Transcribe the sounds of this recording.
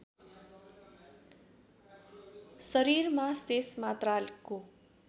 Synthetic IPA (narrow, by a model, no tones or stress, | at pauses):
sʌɾiɾmasesmat̪ralko